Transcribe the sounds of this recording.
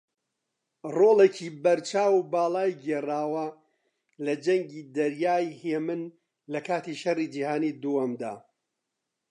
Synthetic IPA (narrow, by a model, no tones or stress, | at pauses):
roːlˠecʰiːbɐɾt͡ʃʰaːwbaːlˠaːjɡeːraːwɐ | lɐd͡ʒɐŋɡiːd̪ɐɾjaːjheːmɨn | lɐkʰaːt̪iʃɐriːd͡ʒiːhaːniːd̪uwɐmd̪a̰ː